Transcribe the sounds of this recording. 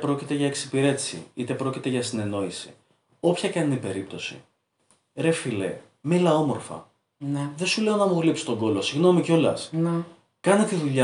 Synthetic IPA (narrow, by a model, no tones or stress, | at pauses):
pɾo̞cit̪e̞ʝɐeksi̥piɾe̞t̪i̥sḭit̪e̞pɾo̞cit̪e̞ʝɐsine̞no̞isḭ | o̞pçɐkɐnnipe̞ɾip̚t̪o̞sḭ | ɾe̞filḛ | milɐo̞mo̞ɾfɐ̰ | nðe̞sule̞o̞nɐmuɣlipsi̥t̪o̞ŋɡo̞lo̞siɣno̞mico̞lɐ̰sn | kɐnet̪iðuʎɐ